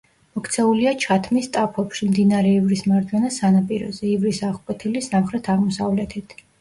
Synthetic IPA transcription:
mɔkʰt̪sʰɛuliat͡ʃʰat̪ʰmist̪ʼapʰɔpʃimd̪inaɾɛivɾismaɾd͡ʒwɛnasanapʼiɾɔ̰zɛivɾisaʁkʼwɛt̪ʰilisamχɾɛt̪ʰaʁmɔsavlɛt̪ʰɛt̪ʰ

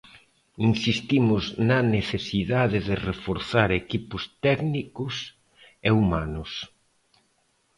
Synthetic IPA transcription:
insist̪imʊznɐneθesiðaðɪðɪrefoɾθaɾekipʊst̪ɛɡnikʊs | eumanʊs

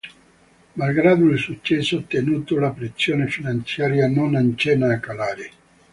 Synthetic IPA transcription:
malɡɾaːd̪oilsut͡ʃːɛsːot̪ːenuːt̪olapɾesːjoːnefinant̪sjaːɾjanonant͡ʃɛnaːkalaːɾɪ

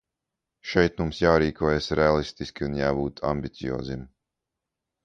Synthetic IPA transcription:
ʃɛjt̪mumsjaːɾiːkʰuːjasɾʔɛalˠist̪iskʲiunjaːbuːt̪a̰mbʲit̪sijɔ̰ːzim

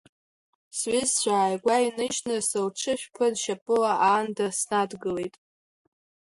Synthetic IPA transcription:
sɥizt͡ɕʷaːjɡʷainɨʒnɨsɨlʈ͡ʂʰɨʃᶣpʰɨdʃapʼɨlaʔaːndasnadɡɨle̞jtʼ

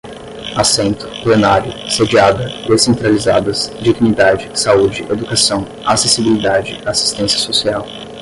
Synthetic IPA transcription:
asẽnt̪ʊ̥plenaɾjʊsed͡ʒiad̪ɐd̪esẽnt̪ɾalizad̪ɐzd͡ʒiɡnid̪ad͡ʒɪsaud͡ʒɪʔed̪ukasɐ̃w̃ | asesibilid̪ad͡ʒɪasi̥st̪ẽsjɐsosiaw

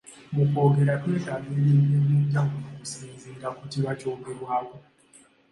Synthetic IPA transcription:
muko̞ːɡe̞ɾateːkaβeɾiːbiːdeːɟaŋɡunokusiːnziːŋɡakutiβaco̞ːɡe̞ɾwaːβo̞

